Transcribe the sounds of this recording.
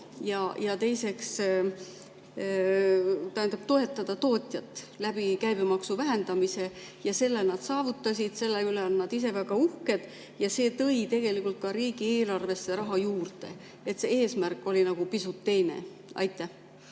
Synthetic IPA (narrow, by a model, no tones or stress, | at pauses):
jɑjɑt̪e̞jse̞ks | t̪ɑænd̪̥ɑb̥t̪o̞e̞t̪ːˑɑd̪̥ɑt̪o̞ːt̪ʲˑjɑt̪ːˑlæb̥ikæjb̥emɑksuvæɦe̞nd̪̥ɑmise̞jɑse̞lːelnɑd̪̥sɑːvut̪ːˑɑsʲid̪̥se̞lːeyleonːɑd̪̥is̬e̞væɡ̥ɑuhke̞d̪̥ | jɑse̞ːt̪ɤ̞jt̪e̞ɡ̥e̞likˑult̪̚kɑɾiːɡ̥ie̞ːlɑrve̞sːe̞ɾɑɦɑjuːrt̪e̞̰ | e̞t̪se̞e̞ːsmærkːˑo̞linɑɡ̥upisut̪ːe̞jne̞̰ | ɑ̰jt̪ːˑæh